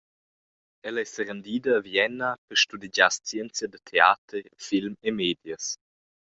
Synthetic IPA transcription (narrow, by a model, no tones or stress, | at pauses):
ɛlaɛsəɾənd̪iːdɐːvjɛnapəɾʃtuded͡ʑast͡sjɛnt͡sjadət̪ʰea̰ːtərfilmemeːdjəs